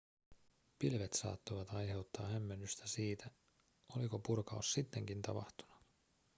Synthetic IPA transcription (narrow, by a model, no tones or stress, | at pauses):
pilʋet̪sɑ̰ːt̪ːoʋɑt̪ɑjɦe̞wt̪ːɑːhæmːe̞nːyst̪æsiːt̪æ | o̞liko̞purkɑusːit̪ːe̞ŋk̟int̪ɑpɑ̰ht̪u̥nu